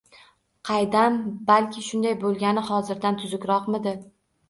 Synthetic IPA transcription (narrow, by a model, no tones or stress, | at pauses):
qʰɑjd̪ambalkʲʰɪʃʊnd̪ajbolˠɡʲanɪhɒzɪɾd̪ant̪ʰʊzʊkʲɾɒqmɪd̪ɪ